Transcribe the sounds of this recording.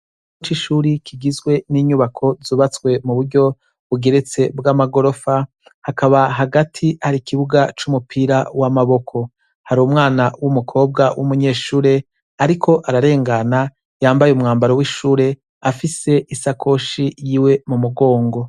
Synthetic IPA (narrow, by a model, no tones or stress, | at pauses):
t͡ʃiʃuːɾikʰiɡizɡwe̞niːɲuβakʰo̞zuːβat͡swe̞muβuɾɟo̞ | βuɡe̞ɾe̞t͡se̞bɡamaɡo̞ɾo̞fa | hakaβaɦaɡatʰihaɾikʰiβuɡat͡ʃumupʰiɾawamaβo̞kʰo̞ | haɾumŋaːnawumukʰo̞ːb̚ɡawʔumuɲe̞ːʃuːɾe̞ | aɾikʰo̞ʔaɾaɾe̞ːŋɡana | jaːmbajeumŋaːmbaɾowiʃuːɾe̞ | afise̞ʔisakʰo̞ʃijiːwe̞mumuɡo̞ːŋɡo̞